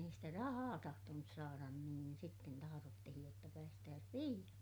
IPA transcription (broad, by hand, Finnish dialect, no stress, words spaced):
ei sitæ rɑhɑː tɑhtonus sɑːrɑn niːn sitːen tɑhɑrotːihij jotːɑ pæːstæːs piːj̆ɑksi